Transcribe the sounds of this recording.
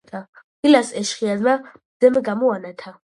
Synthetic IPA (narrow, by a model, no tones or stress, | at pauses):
t̪ʰa | ilasɛʃχiazma | z̥ɛmɛɡamuanat̪ʰa